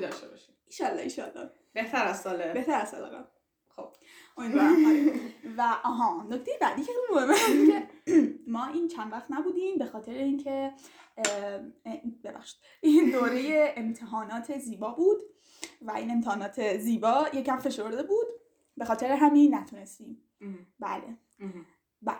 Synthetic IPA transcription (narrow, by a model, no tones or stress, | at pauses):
d̪ɒʃtebɒʃiiːʃɒːlːɒ̰iːʃɒ̰lːɒ̰ | b̥eht̪ʰæɾæsɒːlebeht̪ʰæɾæsɑ̰lḛɣæ̰ | xob̥ | ʔomid̪d̪vɒɾæmhɑlevæʔɒːɦɒːnoct̪ejebæd̪iːcʰexelimohemːæbunemɒːʔiːnt͡ʃʰænvæxt̪næbuːd̪imbe̞xɒːt̪ʰe̞ɾeiːncʰe̞ | be̞bæ̰χʃi̥d̪̥ | ʔind̪oːɾe̞je̞ːmt̪ʰeɦɒːnɒːt̪ʰe̞ziːbɒːbuːd̪ | væʔine̞mt̪ʰehɒːnɒːt̪ʰeziːbɒːjecæmfe̞ʃoɾd̪e̞buːd̪̥ | be̞xɒːt̪ʰe̞ɾeɦæminnːæt̪ʰune̞st̪iːm | bæ̰lḛ | bæ